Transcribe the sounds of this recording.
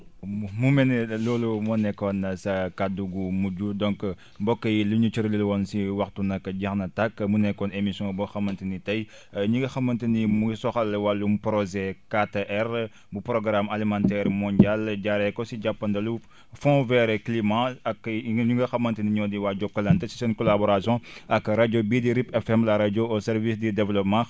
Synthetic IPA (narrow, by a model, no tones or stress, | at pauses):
mumɛnɛlɔːlumɔnɛkːɔnɐsɐkaduɡumuɟudɔŋk | bɔkːɐjiluɲut͡ʃəɾlilwɔnsiwɐxtunɐkːɐɟɐxnɐtakːmunɛkːɔnemisjɔ̃bɔxɐmːɐntinitɐj | ɲuɡɐxɐmːɐntinimuisɔxɐlwalːumupɾɔzɛkateʔɛr | bupɾɔɡɾamalimãntɛɾmɔnɟalɟaɾɛkɔsiɟapːɐndɐlu | fɔ̃vɛɾɛklimãɐkɲuŋɡɐxɐmːɐntiniɲɔdiwaɟɔkːɐlɐntɛsisɛnkɔlabɔɾasjɔ̃ɐkːɾaɟobidiɾipɛfɛmlaɾaɟoɔsɛɾvisdidɛvlɔpmã